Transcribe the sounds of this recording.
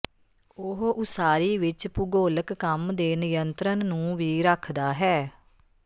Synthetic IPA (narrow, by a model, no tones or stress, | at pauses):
ʊɦʔʊsaːɾiːʋɪt͡ʃpʊɡoːləkːəmd̪eːnəjənt̪ɾənːũːʋiːɾəkʰd̪aːɦɛː